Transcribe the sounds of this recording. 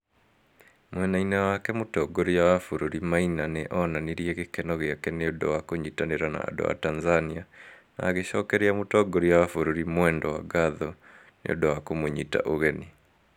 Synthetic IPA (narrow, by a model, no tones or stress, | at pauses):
mwɛnainɛwakɛmotɔɡoɾijawafuɾuɾimainaneʔɔnaniɾiɛɣekɛnɔɣeakɛneodɔwakoɲitaneɾana̰ːdo̰wa̰tanzania | na̰ːɣeɕɔkɛɾeamotɔɡoɾijawafoɾuɾimwɛːndɔwa̰ɡaðɔ | nḛo̰dɔwakomoɲita̰ʔoɣɛni